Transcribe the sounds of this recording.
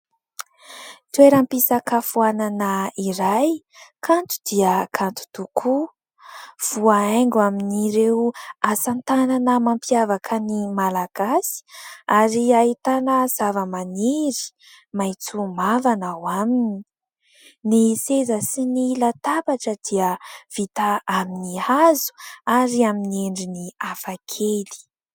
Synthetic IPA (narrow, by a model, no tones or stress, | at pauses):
t̪weɾampisakafuananaiɾaj | kʰant̪u̥d̪iəkʰant̪u̥t̪ukʰu | v̥uaeŋɡwaminiɾewasant̪ananəmampiavakʰənimalaɡ̥asi̥aɾiait̪anəz̥avəmaniɾi̥ | majt͡sumavanawaminii | nisezəsinilat̪abaʈ͡ʂəd̪iəv̥it̪aaminihazu̥aɾiaminieɳɖ͡ʐiniafakʰeli̥